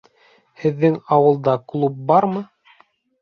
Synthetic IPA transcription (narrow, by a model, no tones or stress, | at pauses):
hɘ̆ðːɘŋɑwɤ̆lˠd̪ɑklˠup̚bɑɾmɤ